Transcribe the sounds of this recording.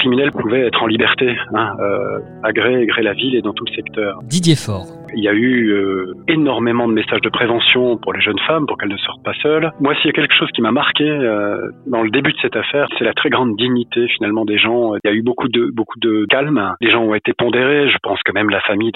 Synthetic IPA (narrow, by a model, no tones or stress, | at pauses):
kχiminɛlpuvɛɛt̪χɑ̃libɛʁt̪eɛ̃ø̰ | aɡʁeːɡʁelaviled̪ɑ̃t̪uləsɛkt̪œːʁd̪id̪jefɔːʁ | iljayøenɔʁmemɑ̃d̪əmesaʒd̪əpχevɑ̃sjɔ̃puʁleʒənfampuʁkɛlnəsɔʁt̪̚pasœlmwasijakʲɛlkə̥ʃozkʲimamaʁkʲeød̪ɑ̃ləd̪ebyd̪əsɛt̪afɛːʁsɛlat̪χɛɡʁɑ̃d̪ːiɲit̪efinalmɑ̃d̪eʒɑ̃ljaybokud̪əbokʰud̪əkalmleʒɑ̃ɔ̃et̪epɔ̃d̪eʁeʒəpɑ̃skəmɛmlafamij